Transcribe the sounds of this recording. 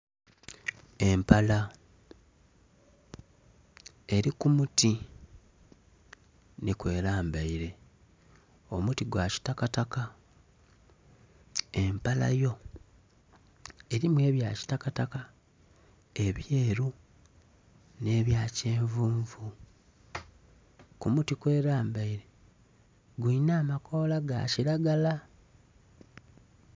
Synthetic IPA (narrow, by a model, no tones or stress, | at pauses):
e̞mpala | e̞ɾikumuti | nikwe̞ːɾaːmbaiɾe̞ | o̞mutiɡwaːci̥takataka | e̞mpala̰jo̞ | e̞ɾimwe̞ːβjaːci̥takataka | e̞βje̞ːɾu | ne̞ːβjaːce̞ːɱvuːɱvu | kumutikwe̞ːɾaːmbaiɾe̞ | ɡwiːnaːmakʰo̞ːlaɡa̰ciɾaɡala